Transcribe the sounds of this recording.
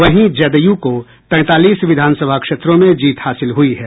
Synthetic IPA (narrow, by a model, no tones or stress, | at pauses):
ʋɐɦĩd͡ʒɐd̪əjuko | t̪ɛ̃ːt̪aːliːsʋɪd̪ʱaːnsəbʱakʃeːt̪ɾõmẽd͡ʒiːt̪haːsɪlɦʊiɦɛː